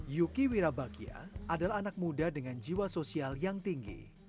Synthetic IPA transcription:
jukiwiɾabaɡia̰ʔadalaɦːnak̚mudadəŋand͡ʒiwasosialjaŋt̪iŋɡḭ

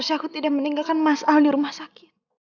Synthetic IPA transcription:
rsiakut̪idaʔ̚məniŋɡalkanmasawliɾumahsakɪt̪̚

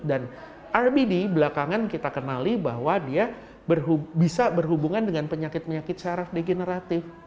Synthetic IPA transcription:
dan | ʔarbidibəlakaŋankit̪akənalibaɦwadia | bərɦubisabərɦubuŋandəŋanpəɲakɪt̪̚pəɲakɪt̪̚saɾafdeɡenəɾat̪ɪf

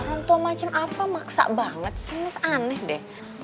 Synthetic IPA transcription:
ŋant̪uamat͡ʃamʔapamaksa̰ʔbaŋət̪̚səŋəsanəhdɛh

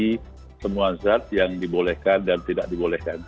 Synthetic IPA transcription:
i | səmuanzat̪̚jaŋdibolɛhkandant̪idaʔ̚dibolɛhkan

